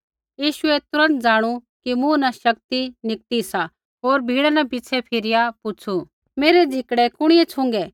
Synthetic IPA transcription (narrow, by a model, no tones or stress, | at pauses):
jiːʃʊɛt̪ʊɾə̃nt̪̚d͡zaːɽ̃u | kimũnãʃɐkt̪inɪk̚t̪isa | ɦoːɾbʱiːɽanɛpɪːt͡ʃʰɛpʰɪɾɪjapʊt͡ʃʰu | meːɾɛd͡zʱɪkɽɛkʊɽ̃ɪjɛt͡sʰʊ̃ŋɡɛː